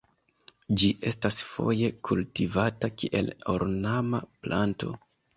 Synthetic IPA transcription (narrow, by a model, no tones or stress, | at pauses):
d͡ʒiʔe̞stasfo̞̰je̞kʰultivatakiʔe̞loɾnamaplanto̞̰